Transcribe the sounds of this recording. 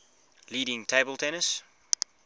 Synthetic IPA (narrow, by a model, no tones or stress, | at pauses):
liːɾɪ̃ŋtʰeɪbəlˠtʰɛnəs